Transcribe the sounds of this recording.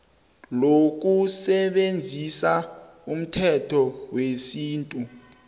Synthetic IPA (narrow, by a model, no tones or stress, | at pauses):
lok̬usɛɓend͡zʱisa | um̩tʰɛtʰɔwesiːntʼu